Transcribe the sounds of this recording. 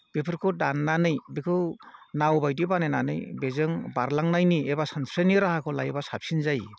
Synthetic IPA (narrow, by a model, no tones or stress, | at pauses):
bepʰɯɾkʰɔdanːanɯjbekʰɯwnawbajdibanenanɯ̰jbezɯŋbaɾlaŋnajniebasansɾeniɾahakʰɔlajbasap̚sinzaj